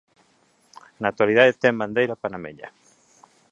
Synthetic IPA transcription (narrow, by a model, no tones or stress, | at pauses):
nat̪waliðaðet̪ɛmband̪ejɾapanamḛʎa̰